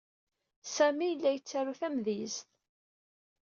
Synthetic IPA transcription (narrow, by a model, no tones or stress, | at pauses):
sæmijəlːæjət͡sːæɾuθæmðizθ